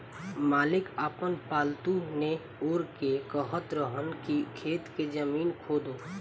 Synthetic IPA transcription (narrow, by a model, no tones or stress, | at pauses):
maːlɪkəːpənpaːlt̪une | ʊɾkekəɦət̪ɾəɦənkikʰeːt̪ked͡ʒəmiːnkʰoːd̪oː